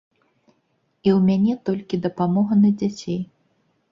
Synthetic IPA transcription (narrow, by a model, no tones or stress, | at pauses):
iwmʲanʲɛt̪ɔlʲkʲid̪ɐpamɔɣɐnɐd͡zʲat͡sʲej